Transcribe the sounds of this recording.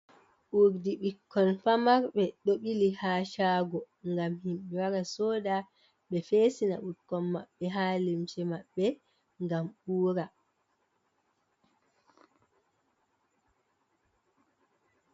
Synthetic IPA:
ʔuɾdiɓikʰːɔnfamaɾɓɛɗoɓilihaːʃaːɡɔ | ŋɡamhimɓɛwaɾasɔːda | ɓɛfeːsina̰ʔuɾkːɔnmaɓːɛɦalimt͡ʃɛmaɓːɛ | ŋɡamɓuːɾa

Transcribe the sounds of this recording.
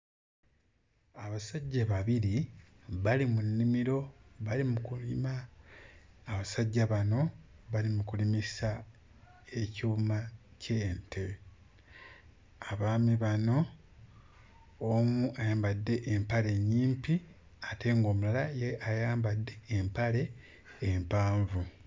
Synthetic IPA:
aβasaɟːaβaβiɾi | βalimunːimiɾo̞βalimukulimaː | βasaɟːaβano̞ | βalimukulimisa | e̞cuumace̞ːntʰe̞ | aβaːmiβano̞ | muʔajaːmbadːe̞ʔːmpale̞ɲːiːmpi | ate̞ŋɡo̞ːmulalajeʔajaːmbadːe̞ːmpale̞ː | mpaːɱvu

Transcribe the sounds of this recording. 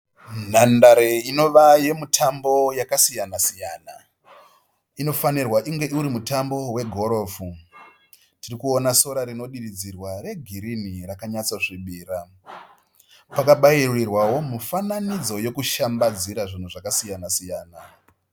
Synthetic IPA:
n̤andaɾeino̞ʋaje̞mutʰambo̞jakasijanasijaːna̰ | ino̞fanirwaʔiŋɡe̞ʔuɾimutambo̞we̞ɡʱo̞ɾo̞ːfu | tirikuonaso̞ɾaɾino̞ɗirid͡zirware̞ɡʱiɾinirakaɲat͡soʐiɓiːɾa | pakaɓairirwawo̞mufananid͡zo̞je̞kuʃambad͡ziɾaʐin̤uʐakasijanasijaːna

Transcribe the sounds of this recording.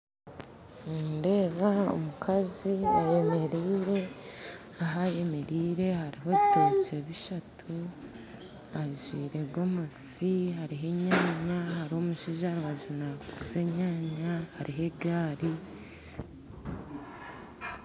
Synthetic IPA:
nde̞ːβao̰mukʰaziaje̞me̞ɾiːɾe̞ | aɦaje̞me̞ɾiːɾe̞haɾiɦo̞βitot͡ʃe̞βiʃatʰu | aʒiːɾe̞ɡo̞mosihaɾiɦe̞ɲaːɲahaɾiho̞muʃiːʒaɾiwaʒunakuze̞ɲaːɲahaɾʔiɦe̞ɡaːɾi

